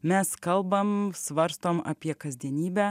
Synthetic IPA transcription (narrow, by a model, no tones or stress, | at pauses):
mʲɛskɐlˠbɐmsʋɐɾst̪oːmɐ̰pʲiɛkɐzʲd̪ʲiɛnʲiːbʲæː